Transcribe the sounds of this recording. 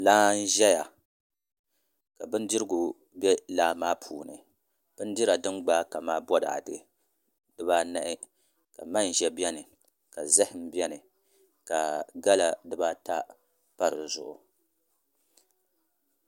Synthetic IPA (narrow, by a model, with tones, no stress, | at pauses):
laː˦n̩˦ʒɛ˦ja˨ | ka˨bɨ˦ndi˦ɾɨ˦ɡʊ˨ | bʲɛ˦laː˦maː˦pʰuː˨nɨ̰˨ | b̥ɨ˦n˦di˦ɾa˨dɨ˦ŋɡ͡ba˦ka˨maː˦bɔ˦da̰˨dɨ̰˨ | dɨ˦baː˦na˦˨ʔɪ˦ | ka̰˨ma˦n˨ʒɛ˦bɛ˦nɨ˨ | ka˨zɛ˦hɪ˨m̩˦bɛ˦nɨ˨ | ka˨ɡa˦la˨dɨ˦ba˦ta˦ | pa˦ɾɨ˨zʊ̰˨ʔʊ˨